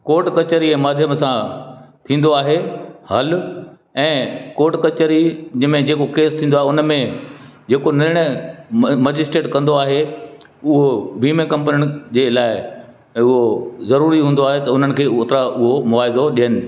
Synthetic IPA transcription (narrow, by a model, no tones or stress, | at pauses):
koːʈkɐt͡ɕəɾiɛ̃ːmaːd̪ʱjəmsãt̪ʰĩːnd̪oaːɦehɐl | ɛ̃ːkoːʈkɐt͡ɕəɾid͡ʑəmẽd͡ʑeːkokeːst̪ʰĩːnd̪oaːɦeʊnmẽd͡ʑeːkonɪɾɪɽ̃ə | mɐd͡ʑɪsʈeːʈkɐ̃nd̪oaːɦe | ʊɦoʋiːmekɐ̃mpniʊɽ̃d͡ʑeːlaːɪ | ʊɦozɐɾuːɾiɦũːn̆d̪oaːɦet̪ɐʊn̤ənɪ̆kʰeːoːt̪ɾaʔʊɦomʊaːɪzoɗijənɪ̆